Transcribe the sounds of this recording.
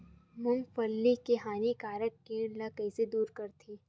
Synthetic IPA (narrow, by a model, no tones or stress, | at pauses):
mʊmfəlːikeɦaːnikaːɾək̚ːeːləkɛːsed̪uːɾkɐɾt̪ʰiː